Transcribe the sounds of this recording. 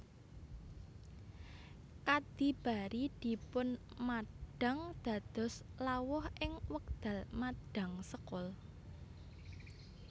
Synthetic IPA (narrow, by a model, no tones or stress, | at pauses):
kad̪̥ib̥a̤ɾid̪̥i̤pʊn | maɖ̥a̤ŋd̪̥a̤d̪̥ɔ̤slawʊhʔɪŋwək̚d̪̥ä̤lmaɖ̥a̤ŋsəkʊl